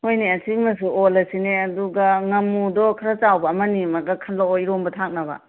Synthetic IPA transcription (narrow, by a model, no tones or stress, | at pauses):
hojniɐsʰikmɐsuolɐsineɐduɡɐŋɐmːudɔkʰɐɾat͡ʃawbɐːmɐnimɐɡɐkʰɐnlaoiɾɔmbɐtʰak̚nɐbɐ̰